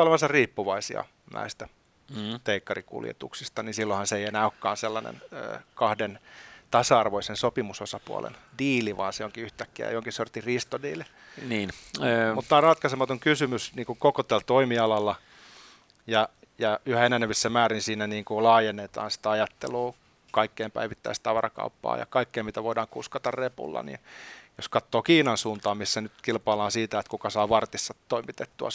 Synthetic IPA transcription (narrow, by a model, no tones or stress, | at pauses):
oleʋɑnsɑrriːpːuʋɑisḭɑ̰ | nʔæ̰ist̪æ | t̪eikːɑrikṵljḛt̪ṵksist̪ɑninsilːohɑnseeijenæokːɑ̰ːnselːɑnḛnø̰ːkɑhdent̪ɑsɑɑrʋoisensopimusosɑpuɑ̰lḛndiːliʋɑ̰ːnseoŋkiyht̪ækːiæ̰jooŋkissort̪irist̪odḭːli | niːnmut̪t̪ːɑːrɑt̪kɑsemɑt̪oŋkysymysniːŋkukokot̪ælt̪oimiɑlɑlːɑ | jɑ | jɑyhæenæneʋisːæmæːrinsiːnæniːŋkulɑːjenːet̪ɑ̰ːnsi̥t̪æɑjɑt̪ːḛluː | kɑikːeːmpæ̰iʋit̪ːæist̪ɑʋɑɾɑ̰kɑ̰upːɑ̰ːjɑ̰kɑikːeːmmit̪æʋoidɑːŋkuskɑt̪ɑrrepṵlːɑ̰nḭjoskɑt̪ːoːkiːnɑnsuːnt̪ɑːmmisːænyt̪kilpɑilɑːnsiːt̪æet̪kukɑsɑːʋɑrt̪isːɑt̪toimit̪et̪ːuɑ̰